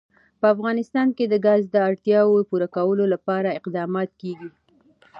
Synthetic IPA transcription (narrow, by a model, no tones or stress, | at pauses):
pəafɣɑnɪst̪ɑnked̪əɡazd̪əaɾt̪jɑwopuɾakawəlolapɑɾaɪqd̪ɑmɑt̪̚keɡi